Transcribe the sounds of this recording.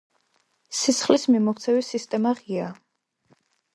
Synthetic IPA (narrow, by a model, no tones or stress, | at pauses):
sisχlismimɔkt̪sʰɛvisist̪ʼɛmaʁia